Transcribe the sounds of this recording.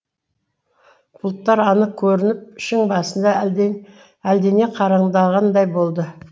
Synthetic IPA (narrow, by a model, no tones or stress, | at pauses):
b̥ʰʊlˠt̪ːɑɾɑnəq̚kʲʰːɵɾɪnɪp̚ɪʃɪŋbɑsənd̪ɑ | æld̪ene̞qʰɑɾɑɴd̪ɑʁɑnd̪ɑjbo̞lˠd̪ə